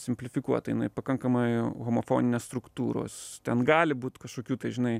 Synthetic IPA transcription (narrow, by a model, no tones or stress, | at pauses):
sʲɪmʲpʲlʲɪfʲɪkuɔt̪ɐjɪnɐɪpɐkɐŋkɐmɐɪɣomofoːnʲɪnʲeːst̪ɾʊkt̪uːɾo̰ːst̪ʲɛnɡɑːlʲɪbuːt̪kɐʃkoːkʲuːt̪ɐɪʒʲɪnɐɪ